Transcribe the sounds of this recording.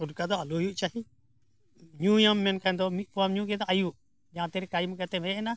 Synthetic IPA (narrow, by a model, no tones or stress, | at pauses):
uɾkad̪ɔalujuʔt͡ʃaɦi | ɲujamːɛnkʰand̪ɔmit̪̚pɔamɲũɡɛd̪ɔʔajuʔ | d͡ʒãt̪ɛɾɛkajmkat̪ɛbʱɛ̃ʔɛna